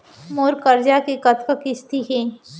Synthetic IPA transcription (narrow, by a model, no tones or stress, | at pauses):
moːɾkəɾd͡ʒakekɐt̪ʰkəkɪst̪iɦeː